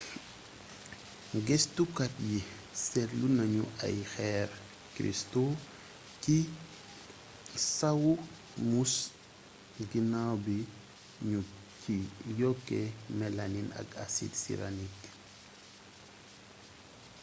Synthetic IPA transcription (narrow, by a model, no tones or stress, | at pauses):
ɡɛstukat̚ji | sɛɾlunɐɲua̰jxɛɾ | kɾḭsto | ci | sawu | mus | ɡinawbi | ɲu | cijɔkːɛmɛlaninɐ̰kasḭdsḭɾa̰nik